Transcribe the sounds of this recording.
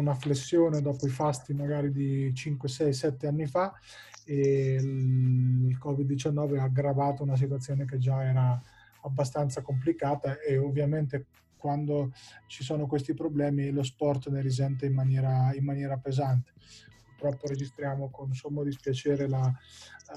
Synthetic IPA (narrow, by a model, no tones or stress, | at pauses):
unaflesːjoːned̪ɔːpoifast̪imaɡaːɾid̪it͡ʃiŋkwesɛjsɛt̪ːeanːifa | e | ilkɔːvid̪ːit͡ʃanːɔːveaɡɾavaːt̪ounas̬it̪wat̪sːjoːnek̬ed͡ʒaɛːɾaː | bːast̪ant̪sakomp̬likaːt̪aeovːjament̪e | kwand̪ot͡ʃisoːnokwest̪ipɾoblɛːmilos̬pɔrt̪neɾizɛnt̪eimmːanjɛːɾaimːanjɛːɾapezant̪e̥purt̪ɾɔpːoɾed͡ʒist̪ɾjaːmokonsomːod̪ispjat͡ʃeːɾela